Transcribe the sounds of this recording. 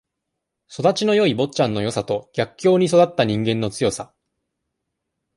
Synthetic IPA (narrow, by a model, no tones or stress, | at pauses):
so̞d̪at͡ɕino̞jo̞ibo̞tt͡ɕãnːo̞jo̞sat̪o̞ɡ̥ʲakkʲːo̞ːɲ̟iso̞d̪at̪ːaɲ̟ĩŋɡẽ̞nːo̞t͡sɨjo̞sa